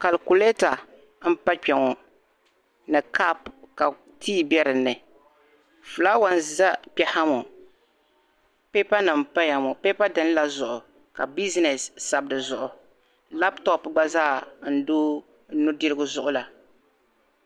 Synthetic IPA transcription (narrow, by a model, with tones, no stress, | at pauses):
ka˨lku˨lɛ˦ta˨ | m̩˦pa˦k͡pɛ˨ŋɔ˨ | nɨ˨ka˦pka˨ | tʰiː˦bɛ˦ɾɨ˨nːɨ˨ | fu˨la˦wa˨nza˦pɛ˨ha˦mɔ˨ | pe˦pa˦nɨ˨m˨pa˦ja˨mɔ˨pe˦pa˦dɨ˦n˦la˦zʊ˨ʔʊ˨ | ka˨bi˦znɛ˨sːa˨bdɨ˨zʊ˨ʔʊ˨ | la˦ptɔ˨pɡ͡ba˦zaː˦˨n̩˦doː˦ | nʊ˦dɨ˦ɾɨ˦ɡʊ˦zʊ˦ʔʊ˦la˨